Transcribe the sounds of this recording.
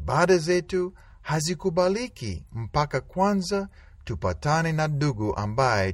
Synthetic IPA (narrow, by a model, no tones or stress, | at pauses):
ɓaɗazɛtu | hazikuɓalikḭm̩pakakwanza | tupa̰tanɛnaɗuɡuʔa̰mbajɛ